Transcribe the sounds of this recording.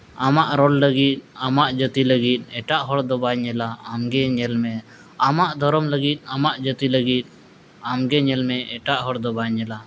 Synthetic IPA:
amaʔɾɔlːəɡit̪̚amaʔd͡ʒət̪iləɡit̪̚ɛʈaʔɦɔɽd̪ɔbaɲɛlaamɡɛɲɛlmɛ | amaʔd̪ʱɔɾɔmləɡit̪̚ˀamaʔd͡ʒət̪iləɡit̪̚ | amɡɛɲɛlmɛɛʈaʔɦɔɽd̪ɔbaɲɛla

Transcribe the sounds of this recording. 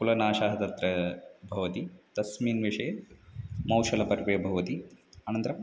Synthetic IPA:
kulɐnaːʃaːɦɐt̪ɐt̪ɾɐbʱɐʋɐt̪id̪̥ɐsmiːnʋiʂɐjɐ | mɐwʃɐlɐpɐɾʋejɐbʱɐʋɐt̪iaːnɐnt̪ɾɐm

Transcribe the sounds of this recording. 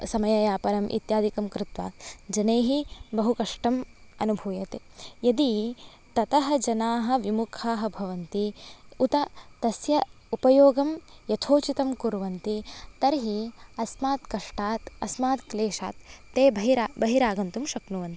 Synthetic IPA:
sɐmɐjɐjaːpɐɾɐmʔḭt̪jaːd̪ikɐmkɾɪt̪ʋa̰ːd͡ʒɐneːɦibɐɦukɐʂʈɐmɐnubʱuːjɐt̪ejɐd̪i | t̪ɐt̪ɐɦɐ̆d͡ʒɐnaːɦɐ̆ʋimukʰaːɦɐ̆bʱɐʋɐnt̪iut̪ɐt̪ɐsjɐ | upɐjoːɡɐmjɐt̪ʰoːt͡ʃit̪ɐmkuɾʋɐnt̪it̪ɐɾɦiɐsmaːt̪kɐʂʈaːt̪ɐsmaːt̪kleːʃa̰ːt̪ːeːbʱɐɦiɾaːbɐɦiɾaːɡɐnt̪umʃɐknuʋɐnt̪i̥

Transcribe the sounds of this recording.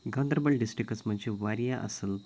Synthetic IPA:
ɡãnd̪ɾbəɭɖisʈɾikət͡smənt͡ɕiʋaɾjaʔə̰səl

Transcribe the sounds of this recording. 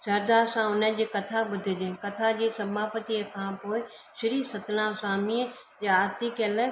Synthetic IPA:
sɐɾd̪aːɾsãʊnəd͡ʑeːkɐt̪ʰabʊd̪ʱɪd͡ʑẽːkɐt̪ʰad͡ʑeːsɐmaːpət̪iəkʰãːpoːɪ | ʃɪɾiːsɐt̪lãsãːmiə | jaːt̪ikələ

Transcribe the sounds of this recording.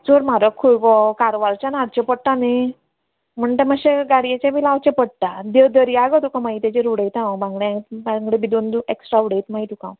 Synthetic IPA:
d͡zoɾmaɾəkʰːuɭɡɔkaɾʋaɾt͡ɕanaɽt͡ɕepəɽʈ̪ane | m̤əɳʈ̪eməɕeɡaɽijat͡ɕabilawt͡ɕepəɽ̚t̪ad̪əd̪əɾijaɡɔt̪ukãmait̪at͡ɕeɾuɽəjt̪ãbãŋɡɽeãbãŋɡɽẽbid̪ond̪ueksʈɾauɽejt̪mait̪ukã̰w

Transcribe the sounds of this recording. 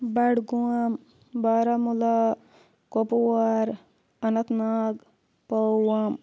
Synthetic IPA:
bɐɽɡuam | baːɾamula | kopuwaɾ | ɐnɐt̪naːɡ | pɐwam

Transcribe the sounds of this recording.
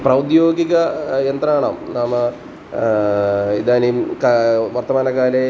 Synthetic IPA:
prɐwd̪jo̞ːɡiɣɐjent̪rɐmaːɳa̰ːmnaːmɨ | id̪aːnijumkaʋɐrt̪ɐmaːnɐkaːle

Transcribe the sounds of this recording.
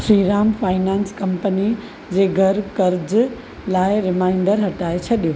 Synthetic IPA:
ʃɾiːɾaːmfʰaːɪnaːnskɐmpəni | d͡ʑeːɡʱɐɾkɐɾd͡ʑ | laːɪɾɪmaːɪɳɖəɾɦɐʈaːet͡ɕʰɐɗijo

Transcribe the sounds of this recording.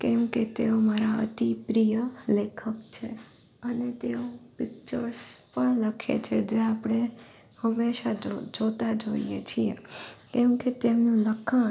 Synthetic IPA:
kɛmket̪eomaɾaə̰t̪ipɾijəlekʰəkt͡ʃʰe | ənet̪eopɪk̚t͡ʃəɾspəɳləkʰḛt͡ʃʰed͡ʒeapɽ̃e | həmːeʃad͡ʒd͡ʒot̪ad͡ʒoijet͡ʃʰiḛkɛmket̪emnũləkʰa

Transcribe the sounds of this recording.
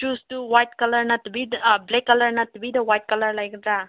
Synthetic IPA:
t͡ʃuːsʈuʋajʈkɐlɐɾnɐt̪bidblekːɐlɐɾnɐt̪biːd̪ɐʋajʈ̚kɐlɐɾlajkd̪ɾa

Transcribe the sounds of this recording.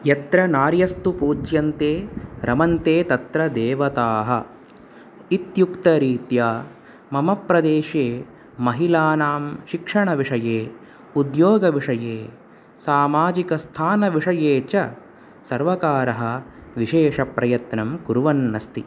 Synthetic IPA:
jɐt̪ɾɐnaːɾjɐst̪upuːt͡ʃjɐnt̪eːɾɐmɐnt̪eːt̪ɐt̪ɾɐd̪eːʋɐt̪aːɦɐ | it̪jukt̪ɐɾiːt̪jaː | mɐmɐpɾɐd̪eːʃeː | mɐɦilaːnaːmʃikʂɐɳɐʋiʂɐjeː | ud̪joːɡɐʋiʂɐjeː | saːmaːd͡ʒikɐst̪ʰaːnɐʋiʂɐjeːt͡ʃɐ | sɐɾʋɐkaːɾɐɦɐ̆ʋiʃeːʂɐpɾɐjɐt̪nɐmkuɾuʋɐnːɐst̪i

